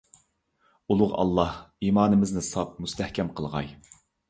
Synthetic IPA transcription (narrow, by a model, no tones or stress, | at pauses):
ulˠʊʁɑ̰lˠːɑhiːmɑːnɨmɪznɪsɑp̚must̪ʰɛhkʲʰɛmqʰəlˠʁɑ̰j